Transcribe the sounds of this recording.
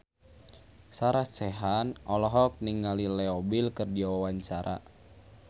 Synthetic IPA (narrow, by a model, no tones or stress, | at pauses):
saɾasɛɦanɔlɔɦɔk̚niŋalilɛɔbilkɨrdiawawaɲt͡ʃaɾa̰